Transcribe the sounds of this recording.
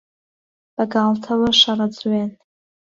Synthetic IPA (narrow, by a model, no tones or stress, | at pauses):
b̥aɡaltʰawaʂarad͡zɥan